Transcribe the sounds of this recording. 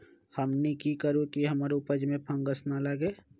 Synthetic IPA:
həmnikikəɾũkiɦəmːɾpəd͡ʒmẽpʰə̃ŋɡəsnaləɡeː

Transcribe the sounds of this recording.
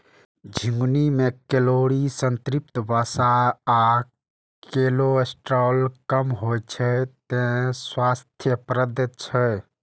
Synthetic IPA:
d͡ʒʱĩŋɡnimekeloɽisənt̪ɾip̚t̪əbasaa | keloesʈɾɔlkəmɦojt͡ʃʰɛt̪ẽswast̪ʰjəpɾəd̪ət͡ʃʰɛ

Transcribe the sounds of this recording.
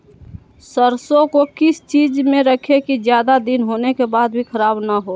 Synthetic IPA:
səɾsõkokɪst͡ʃiːd͡ʒmẽɾəkʰekid͡ʒjaːd̪ad̪inɦonekebaːd̪̚bʱikʰəɾaːbnaɦo

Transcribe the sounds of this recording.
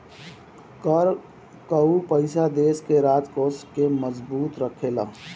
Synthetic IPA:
kəɾ | kəupəɪsad̪eːskeɾaːt̪koːskeməzbuːt̪ɾəkʰelaː

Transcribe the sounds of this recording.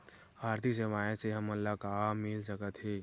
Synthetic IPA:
bʱaːɾt̪is̬eʋaːẽseɦɐməlːakamɪlsəkət̪ɦɛː

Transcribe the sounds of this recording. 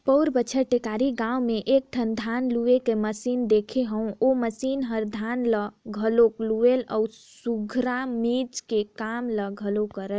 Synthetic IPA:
pəʊɾbət͡ʃʰəʈekaɾiɡãwmeʔek̚d̪ʰʱənd̪ʱanluekeməsind̪ekʰeɦə̃ũoməsinɦəɾd̪ʱanləɡʱəlokluelɔ̰ | ssuɡʱɾamid͡ʒkekamləɡʱəlokəɾəl

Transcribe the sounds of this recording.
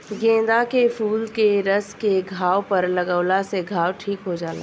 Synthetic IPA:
ɡẽːd̪akefuːlkeɾɐskeɡʱaːwpɐɾlɐɡəːlaseɡʱaːwʈʰiːkɦod͡ʒaːla̰

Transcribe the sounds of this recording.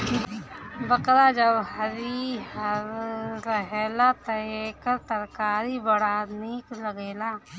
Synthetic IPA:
bɐqɾad͡ʒəbhəɾihəɾɾəɦeːlat̪ɐeːkəɾt̪ɐɾkaːɾibɐɽaniːklɐɡeːlaː

